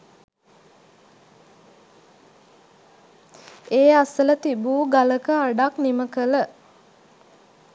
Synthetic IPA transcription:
eːasələt̪ibuːɡaləkəaɖakniməkələ

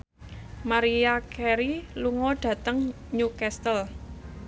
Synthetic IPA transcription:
maɾiakʰɛɾiluŋɔɖ̥ä̤t̪əŋ | ɲukɛst̪əl

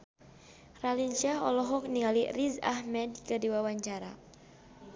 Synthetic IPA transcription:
raliɲt͡ʃaɦɔlɔɦɔk̚niŋaliriza̰hmɛd̚kədiwawaɲt͡ʃaɾa

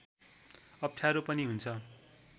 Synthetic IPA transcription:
ʌp̚ʈʰjaɾupʌniɦunt͡sʰʌ

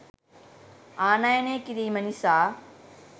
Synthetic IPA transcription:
aːnaeneːkiɾiːmɐnisaː

